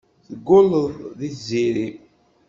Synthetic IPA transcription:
θəɡːʊlːəððiθziɾi

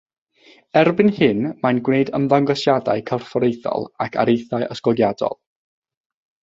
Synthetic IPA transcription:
ɛrbɪnhɪnmanɡwneɨdəmðaŋɡɔsjada̰ɨkʰarfɔɾejθɔ̰lˠakʰa̰ɾejθaɨʔəskɔɡjadɔ̰lˠ

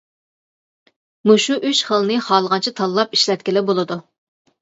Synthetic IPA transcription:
muʃuʔyʃχəlˠnɨχɑːlˠəʁɑnt͡ʃʰɪt̪ʰɑlˠːɑpiʃlɛt̪̚kʲilɪbolˠɨd̪u

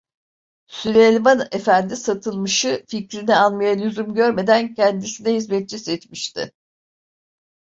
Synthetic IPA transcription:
sylʲelʲmane̞fænd̪isat̪ʰɯlˠmɯʃɯficɾinɛanmajalʲyzymɟø̞ɾme̞d̪æncʰɛnd̪isinɛɦizmɛt̪̚t͡ʃisɛt͡ʃ̪miʃt̪ʰɪ̰

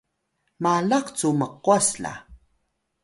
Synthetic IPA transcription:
malaqt͡suməqwasɬa̰

